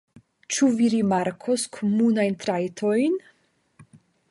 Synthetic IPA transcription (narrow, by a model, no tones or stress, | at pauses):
t͡ʃuviɾimaɾkʰoskʰomunajnt̪ɾajtʰojn